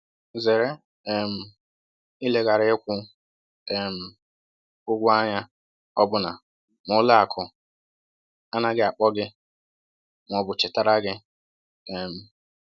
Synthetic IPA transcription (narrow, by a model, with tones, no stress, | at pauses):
ze˨ɾe˦˨ | m̩˨ | i˦le˦ɡa˨ɾɪ˦ɪ˦kʷʊ˦ | e˨m̩˨ | ʊ˦ɡʷʊ˦a˦ɲa˦ | ɔ˦bʊ˦na˨ | mʊ˨˦la˦a˨kʰʊ˨ | a˦na˦ɡɪ˦a˨k͡pɔ˦ɡɪ˦ | ŋ˨ɔ˨bʊ˨t͡ʃɪ˨ta˦ɾa˦ɡɪ˦ | ɛ˨m̩˨